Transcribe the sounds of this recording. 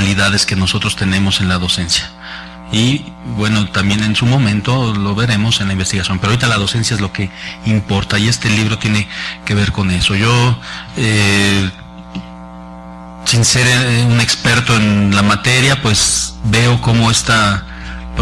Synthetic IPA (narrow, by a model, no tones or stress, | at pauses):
liðað̞e̞ske̞no̞so̞t̪ɾo̞st̪e̞nẽ̞mo̞se̞nlaðo̞se̞nsja | ibwe̞no̞t̪ambje̞ne̞nsumõ̞mẽ̞nt̪o̞lo̞βe̞ɾe̞mo̞senlaimbe̞st̪iɣasjo̞mpeɾoaːɾit̪alað̞o̞se̞nsjaezlo̞ke̞impo̞ɾt̪aiest̪e̞liβ̞ɾo̞t̪je̞ne̞ke̞βe̞ɾko̞ne̞so̞ʝo̞e | sinse̞ɾune̞kspe̞ɾt̪o̞e̞nlamat̪e̞ɾjapwe̞sbe̞oko̞mo̞e̞st̪a | p